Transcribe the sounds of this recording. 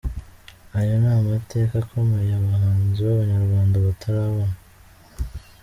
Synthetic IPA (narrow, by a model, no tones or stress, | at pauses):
ajanaːmate̞kakʰomejaβahaːnziβaβaɲaɾɡwaːndaβatʰaɾaβona